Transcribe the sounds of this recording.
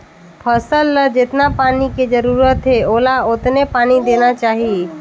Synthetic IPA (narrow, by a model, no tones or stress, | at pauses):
pʰəsəlːəd͡ʒet̪napaːniked͡ʒəɾuːɾət̪ɦeoːlaʊt̪nepaːnid̪enat͡ʃaːɦie